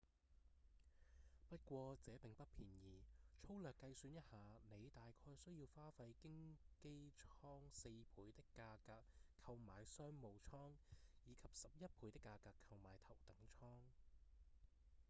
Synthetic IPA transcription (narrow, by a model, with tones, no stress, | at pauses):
pɐ˥t̚kʷɔː˧t͡sɛː˨˥pɪ˨˩ŋpɐ˥t̚pʰiː˨˩njiː˨˩t͡ʃʰo˥wlœː˨˩kːɐ˧jsyː˨˧njɐ˥t̚haː˨˧ne˨˧jt̪aː˨jkʰɔː˧jsɵ˥ɥjiː˧wfaː˥fɐ˧jkɪ˥ŋke˥jt͡ʃʰɔː˥ŋse˧jpʰuː˨˥jt̪ɪ˥kːaː˧kaː˧kʰɐ˧wmaː˨jsœː˥ŋmo˨˧wt͡sʰɔː˥ŋjiː˨˧kʰɐ˨p̚sɐ˨p̚jɐ˥t̚pʰuː˨˥jt̪ɪ˥kːaː˧kaː˧kʰːɐ˧wmaː˨˥jt̪ʰɐ˨˩wt̪ɐ˨˥ŋt͡ʃʰɔː˥ŋ